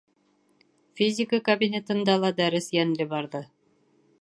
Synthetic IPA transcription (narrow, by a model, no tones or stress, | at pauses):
fʲizʲɪkəkɐbʲinʲet̪ɤ̆nd̪ɑlˠɑd̪æɾɘsjænlɘbɑɾðɤ